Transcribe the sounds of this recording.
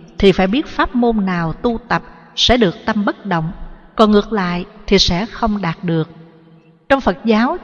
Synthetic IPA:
t̪ʰi˨˩faː˧˩jɓi˦˥ət̚faː˦˥p̚mo˧nːaː˨˩wt̪u˧t̪ə˨˩p̚ | sɛ̰˧˥ɗɨ˨˩ək̚t̪ə˧mɓə˦˥t̚ɗə̰˧˨wŋ͡mkɔ˨˩nŋɨ˨˩ək̚la̰ː˧˨jt̪ʰi˨˩sɛ̰˧˥xə˧wŋ͡mɗaː˨˩t̚ɗɨ˨˩ək̚ | t͡ɕɔ˧wŋ͡mfə˨˩t̚zaː˨˦w

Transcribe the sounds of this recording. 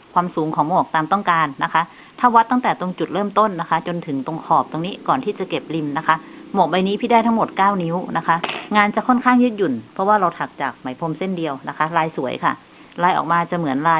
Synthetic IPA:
kʰwaː˧msuː˨˩˦ŋkʰɔː˩˦ŋmo˨˩k̚t̪aː˨˧mt̪ɔ˥˩ŋkaː˧nːa˦˥kʰa˦˥ʔ | t̪ʰa˥˩wa˦˥t̪ːa˥˩ŋt̪ɛː˨˩t̪o˧ŋt͡ɕu˨˩t̪̚ɾɤː˥˩mt̪o˥˩nːa˦˥kʰa˦˥t͡ɕo˧nt̪ʰɯ˩˦ŋt̪o˧ŋkʰɔː˨˩p̚t̪o˧ŋniː˦˥kɔː˨˩nt̪ʰiː˥˩t͡ɕa˨˩ke˨˩p̚li˧mna˦˥kʰa˦˥ʔmo˨˩k̚ba˧jniː˦˥pʰiː˧˥˩da˥˩t̪ʰa˦˥ŋmo˨˩t̪̚kaː˥˩wni˦˥wna˦˥kʰa˦˥ʔŋaː˧nt͡ɕa˨˩kʰo˥˨nkʰaː˥˩ŋjɯ˦˥ju˨˩npʰɔ˦˥waː˥˩ɾa˧wt̪ʰa˨˩k̚t͡ɕaː˨˩k̚ma˨˩˦jpʰo˧mse˥˩ndi˧əwna˦˥kʰa˦˥laː˧jsu˩˦əjkʰa̰˥˩ | laː˧jʔɔ̰ː˨˩k̚maː˧t͡ɕa˨˩mɯ˩˦ənlaː˧

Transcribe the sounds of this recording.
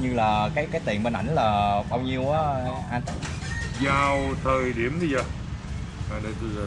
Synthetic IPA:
ɲɨ˧laː˨˩kaː˨˦jkaː˨˦jt̪ḭ˧˨ənɓe˧nʔa˧˩jŋ̟laː˨˩ɓaː˧wɲi˧əwʔaː˨˦ʔa˧n | zaː˨˩wt̪ʰəː˨˩jɗi˧˩əmɗi˧zaː˧˩ | aː˨ɗə˧˩t̪ɨ˧˨˩

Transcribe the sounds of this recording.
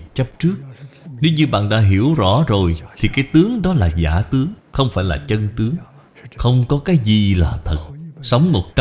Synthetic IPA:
t͡ɕə˦˥p̚t͡ɕɨ˦˥ək̚ne˨˦wɲɨ˧ɓa̰ː˧˨nɗa̰ː˧˥ɦi˧˩əwzɔ̰˧˩zo˨˩jt̪ʰi˨˩kaː˨˦jt̪ɨ˨˦əŋɗɔ˨˦laː˨˩za̰ː˧˩t̪ɨ˨˦əŋxə˧wŋ͡mfaː˧˩jlaː˨˩t͡ɕə˧nt̪ɨ˨˦əŋ | xə˧wŋ͡mkɔ˨˦kaː˨˦jzi˨˩laː˨˩t̪ʰə˨˩t̚sə˨˦wŋ͡mmo˨˩t̚t͡ɕ

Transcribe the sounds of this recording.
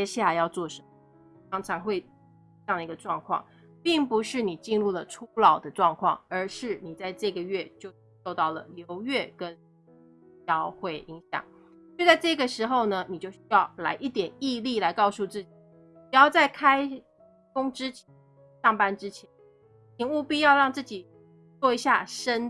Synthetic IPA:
jɛ˥ɕa˥˩jɑ˥˧ʊt͡swɔ˥˩ʂə˧˥mə | t̪ɑ˥ŋʈ͡ʂʰɑ˧˥ŋxwe˥˧ɪ˥ | jɑ˥˩ŋd̪i˧˥ɡə˧ʈ͡ʂwɑ˥˧ŋkʰwɑ̰˥˩ŋ | pi˥˩ŋpu˧˥ʂɻ̩˥˩ni˨˩t͡ɕi˥˧nlu˥˩lə˩ʈ͡ʂʰu˥lɑ˨˩ʊd̪ə˦ʈ͡ʂwɑ˥˧ŋkʰwɑ̰˥˩ŋə˞˧˥ʂɻ̩˥˩ni˨˩t͡sa˥˧ɪʈ͡ʂɤ˥˩ɡə˩ɥɛ˥˧t͡ɕjo˥˧ʊ˧ʂo˥˧ʊt̪ɑ˥˩ʊlə̰˩ljo˧˥ʊɥɛ˥˩kə˦˥n | jɑ˥ʊxwe˥˩ɪʔi˧˥ŋɕjɑ̰˨˩˦ŋ˥˧ | t͡sa˥˧ɪʈ͡ʂɤ˥˩˧ɡə˩ʂɻ̩˧˥xo˥˧˩ʊnə˨ni˨˩t͡ɕjo˥˩ʊɕy˥jɑ˥˩ʊla̰˧˥ɪʔi˥˩t̪jɛ˨˩ni˥˧li˥˩la˧˥ɪkɑ˥˧ʊsu˥˧t͡sɹ̩˥˩t͡ɕi˨˩ | i˨˩jɑ˥˧ʊt͡sa˥˩ɪkʰa˥ɪ | kʊ˥ŋʈ͡ʂɻ̩˥t͡ɕʰɛ | ʂɑ˥˩ŋpa˥nʈ͡ʂɻ̩˥t͡ɕʰjɛ˧˥n | t͡ɕʰi˧˥ŋu˥˧pi˥˧jɑ˥˧ʊɻɑ˥˧ŋt͡sɹ̩˥˩t͡ɕi˨˩ | t͡swɔ˥˩i˧˥ɕja˥˩ʂə˥n

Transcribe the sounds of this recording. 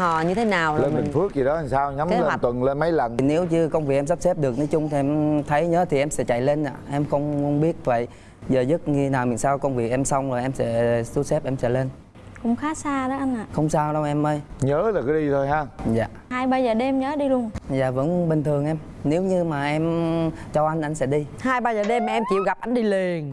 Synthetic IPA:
hɔ̰˧˨ɲɨ˧t̪ʰe˨˦naː˨˩wleː˧˨nmi˨˩fɨ˦˥ək̚zi˨˩ɗɔ˨˦˨saː˧wɲa˨˦m˦le˧a˨˩nt̪wə˨˩nle˧nma˨˦jlə˨˩n˩ne˨˦wt͡ɕɨ˧kə˧wŋ͡mvi˨˩ʔɛ˧msp̚sɛ˦˥p̚ɗɨ˨˩ək̚nɔ˨˦jt͡ɕʊ˧ŋ͡mt̪ʰi˨˩ʔɛ˧mt̪ʰə˨˦jɲəː˨˦t̪ʰi˨˩ʔɛ˧msɛ̰˧˥t͡ɕa̰˧˨jle˧nʔa̰ː˧˨˩ʔɛ˧mxə˧wŋ͡mwŋ͡mɓi˦˥ət̚və̰˧˨j | zəː˨˩zə˦˥t̚ɲɨ˧t̪ʰe˨˦naː˨˩wmḭ˨˩˨nsaː˧wkə˧wŋ͡mvi˨˩ək̚ʔɛ˧msa˧wŋ͡mzo˨˩jʔɛ˧msɛ̰˧˥su˦sɛ˦˥p̚ʔɛ˧msɛ̰˧˥le˧n | kʊ̰˧˥ŋ͡mxaː˨˦saː˧ɗɔ˨˦ʔa˧jŋ̟ʔaː˨xə˧wŋ͡msaː˧wɗə˧wʔɛ˧mʔəː˧jɲəː˨˦laː˨˩kɔ˨˦ɗi˧t̪ʰo˧jɦaː˧za̰ː˨haː˧jɓaː˧jzəː˨˩ɗe˧mɲəː˨˦ɗi˧lu˧ənza̰ː˨˩və̰˧˥nɓï˨˩ŋ̟t̪ʰɨ˨˩əŋʔɛ˧m | ne˨˦wɲɨ˧maː˨˩ʔɛ˧mt͡ɕɔ˧ʔa˧ŋ̟ʔa˧jŋ̟sɛ̰˧˥ɗi˧haː˧jɓaː˧jzəː˨˩ɗe˧m˨ʔɛ˧mt͡ɕḭ˧˨wɣa˨˩p̚ʔa˧jŋ̟ɗi˧li˨˩ən

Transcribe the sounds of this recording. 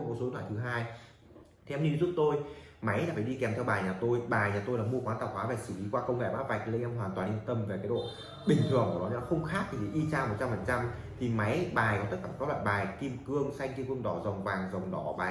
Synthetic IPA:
so˨˦ntʰaː˧˨˩t̪ʰɦaː˧j | t̪ʰːwnɲi˧zu˦˥t̚t̪o˧jma˨˦jlaː˨˩fa˨˩jɗi˧kɛ˨˩mt̪ʰɛ˧wɓaː˨˩jɲaː˨˩t̪o˧jɓaː˨˩jɲaː˨˩t̪o˧jla̰ː˧˩mu˧əkwa˨˦t̪aː˨˩whwaː˨˦va˨˩sɨ˧˩li˨˦kwaː˧kə˧wŋ͡mŋɛ̰˧˩ma̰ː˦˥va˨˩k̚lə˧ŋʔɛ˧mɦwaː˨˩t̪waː˨˩nli˧ənt̪ə˧mve˨˩kaː˨˦ɗo̰˧˨ | ɓï˨˩ŋ̟t̪ʰɨ˨˩əŋku˧˩nɔ̰˨˦˨xə˧wŋ͡mxaː˦˥k̚t̪ʰi˨˩i˨˩ʔi˧t͡ɕaː˧ŋmo˨˩t̚t͡ɕa˧mfə˨˩nt͡ɕa˧mt̪ʰi˨˩ma˨˦jɓaː˨˩jkɔ˨˦t̪ə˦˥kaː˧˩ɔ˦˥la̰ː˧˨jɓaː˨˩jki˧mkɨ˧əŋsa˧jŋ̟ki˧mkɨ˧əŋɗɔ˨˩zə˨˩wŋ͡mvaː˨˩ŋzə˨˩wŋ͡mɗɔ˨˩˦ɓaː˨˩

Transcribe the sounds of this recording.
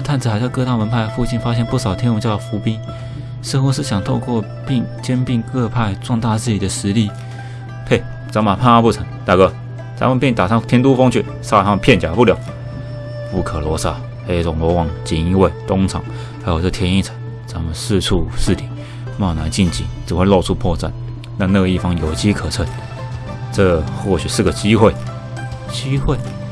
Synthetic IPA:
t̪ʰa˥˩˨nt͡s̩ʰ˨˩xt͡sa˥˧ɪkɤ˥˧t̪ɑ˥˩ŋwə˧˥npʰa˥˧ɪfu˥˧t͡ɕi˥˩nfa˥ɕ̬jɛ˥˧npu˥˩ʂɑ˨˩ʊt̪ʰjɛ˥nu˧˥ŋt͡ɕjɑ˥˩˨fu˧˥pi˥n | sɻ̩˥˧xu˧˥ʂ̬ɻ̩˥˩ɕjɑ˨˩ŋt̪ʰo˥˧ʊkwɔ˥˧ | pi˥˧ŋt͡ɕjɛ˥npi˥˧ŋkɤ˥˧pʰa˥˧ɪt͡swɑ˥˧ŋt̪a˥˧t͡sɹ̩˥˩t͡ɕi˨˩d̪ə˨ʂɻ̩˧˥li˥˩ | pʰe˥˩ɪ | t͡sa˧˥ma˨˩pʰa˥˧na˥˧pu˥˩t͡sʰɤ˧˥ŋt̪a˨˩kɤ˧˩ | t͡sa̰˧˥mə˨pɛ˥˧˩nt̪a˨˩ʂɑ˥˩ŋt̪ʰjɛ˥nt̪̬u˥fo˥ŋt͡ɕʰy˥˩ | sa˥˧sɑ˥˩ŋpʰjɛ˥˩nt͡ɕja˨˩pu˥˩ljɑ˨˩ʊ | pu˥˩kʰə˨˩lwɔ˧˥sa˥˩ | e˧˩t͡sʊ˨˩ŋlwɔ˧˥wɑ˨˩ŋt͡ɕi˨˩ni˧˥we˥˩ɪt̪ʊ˥ŋt͡sʰɑ̰˨˦ŋ | xa˧˥jo˨ʊt͡sə˥˧˩t̪ʰjɛ˧˥ni˥˩t͡sʰə̥˧˥ŋ | t͡sa˧˥mə˨sɹ̩˥˧t͡sʰu˥˧ʂɹ̩˥˩t̪ʰi˨˦ | ma˥˩˨na˧˥ɪt͡ɕi˥˩nt͡ɕḭ˨˩t͡sɻ̩˨˩xwe˥˧ɪlo˥˧ʊʈ͡ʂʰu˧pʰwɔ˥˧t͡sa̰˥˩n | na˥˧na˥˨˧i˥˩fɑ˥ŋjo˨˩ʊt͡ɕi˦˥kʰə˨˩t͡sʰə˧˩n | t͡sɤ˥˧xwɔ˥˩ɕy˨˩ʂɹ̩˥˩ɡə˨˩t͡ɕi˥xwe˥˩ɪ | t͡ɕi˥xwe˥˩ɪ

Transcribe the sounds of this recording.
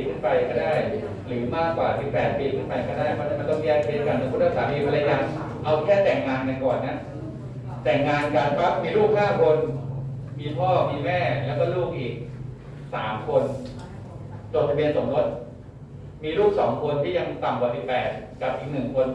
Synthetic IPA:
kʰɯ˥˩npa˧jka˧˩daː˥˩j | ɾɯː˩˦maː˥˩kwaː˨˩t̪ʰi˩pɛː˨˩t̪̚pʰi˨˩kʰɯ˥˩npa˧jkaː˧˩daː˥˩jmʰa˧˥ma˧nt̪ɔ˥˩ŋ˧ɛː˧˥˩pʰi˨˩t̪̚ka˧˩nɯ˧˦ŋko˧nʰa˥˩saː˨˩˦mi˧pʰa˧la˧˦jaː˨˩ŋ | ʔa˧wkʰɛː˥˩t̪ɛ˨˩ŋːaː˧nka˧nkɔː˨˩nːa˦˥ | t̪ɛ˨˩ŋːaː˧nka˨˩npʰa˦˥p̚miː˧luː˥˩k̚haː˥˩kʰo˧n | miː˧pʰɔː˥˩miː˧mɛː˥˩lɛː˦˥wkɔː˥˩luː˥˩k̚ʔiː˨˩k̚ | sa̰ː˩˦mkʰo˧n | t͡ɕo˨˩n̚t̪ʰa˧bi˧ənso˩˦ŋɡo˦˥t̪̚ | miː˧luː˥˩k̚sɔː˩˦ŋkʰo˧nt̪ʰiː˥˩ja˧ŋt̪a˨˩mkwa˨˩si˨˩pːɛː˨˩t̪̚ka˨˩p̚ʔiː˨˩k̚nɯ˨˩ŋkʰo˧n

